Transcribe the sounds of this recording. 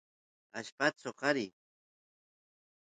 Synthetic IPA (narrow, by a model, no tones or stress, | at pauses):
aʃpat͡soqɑɾi